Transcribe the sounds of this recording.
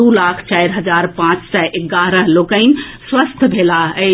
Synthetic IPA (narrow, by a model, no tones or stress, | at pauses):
ulakʰt͡ʃajɾɦəd͡ʒaɾpãt͡ʃsɛʔeɡaɾəɦlokəɪnswəst̪ʰbʱelaə